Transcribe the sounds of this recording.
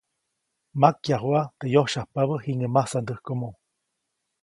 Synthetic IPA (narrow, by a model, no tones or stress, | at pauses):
makjaɦwat̪ejohʃahpaβəhiŋəmahsand̪əhkomo